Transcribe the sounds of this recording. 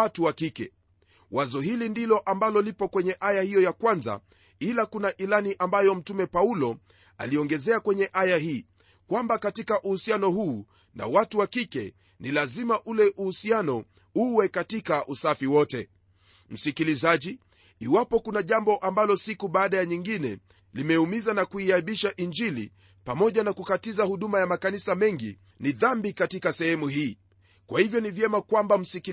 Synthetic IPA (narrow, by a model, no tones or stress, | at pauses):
atuwakikɛ̰ | wazɔhilindilɔʔambalɔlipɔkwɛɲɛʔajahijɔjakwanza̰ | ilakunaʔilaniʔambajɔm̩tumɛpaulɔ | a̰liɔŋɡɛzɛakwɛɲɛʔajahiː | kwambakatikaʔuhusianɔhuː | na̰watuwakikɛ̰ | nilazimaʔulɛʔuhusianɔ | uwɛkatikaʔusafiwɔtɛ | m̩sikilizaʄiː | wapɔkunaʄambɔʔambalɔsikuɓaːɗajaɲiŋɡinɛ̰ | limɛumizanakuiaɓiʃaʔind͡ʒilḭ | pamɔʄanakukatizahuɗumajamakanisamɛŋɡḭ | niðambikatikasɛhɛmuhiː | kwahivjɔnivjɛmakwambam̩sik